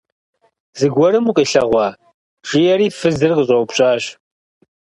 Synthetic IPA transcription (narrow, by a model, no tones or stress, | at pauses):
zɨɡʷɔɾɨmuqʼiːɬɐʁʷɑː | ʈ͡ʂʼɪjɛɾiːfɨzɨrqəɕʼɐpɕʼaːɕ